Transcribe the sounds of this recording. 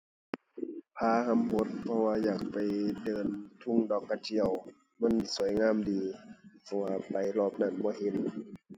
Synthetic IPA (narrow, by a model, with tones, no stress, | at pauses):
pʰaː˧˩ha˧˨mho˧˦t̪̚pʰɔ˧waː˧jaː˨˩k̚pa˨jdɤː˨˩nt̪ʰu˧˥˨ŋdɔː˨˩kːa˧t̪ʰi˧˥˨əw | ma˧˥˨ni˧˩su˨˩˦jŋaː˧˥˨mdiː˨pʰɔ˧waː˧pa˨jlɔː˧˩p̚na˧˩˨nbɔː˧˦ɦe˧˦n